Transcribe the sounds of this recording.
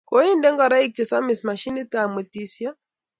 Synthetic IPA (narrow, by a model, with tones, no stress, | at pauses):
ko˨˦i˦ndɛ˦ŋɡɔ˨ɾa˦i˦k̚t͡ʃɛ˨sa˦mi˨sma˨ʃi˦ni˦ta˨me˨ti˦˨sjɔ˦